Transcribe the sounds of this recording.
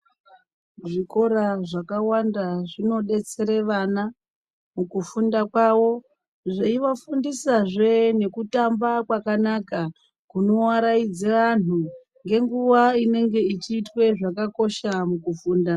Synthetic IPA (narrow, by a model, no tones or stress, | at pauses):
ʐiko̞ɾaʐakawandaʐino̞ɗe̞t͡se̞ɾe̞ʋana | mukufundakwawo̞ | ʐeiʋafundisaʐe̞ne̞kutambakwakanaka | kuno̞waɾaid͡zeʋan̤u | ŋɡe̞ŋɡuʋaine̞ŋɡe̞it͡ʃiːtwe̞ʐakako̞ʃamukufuːnda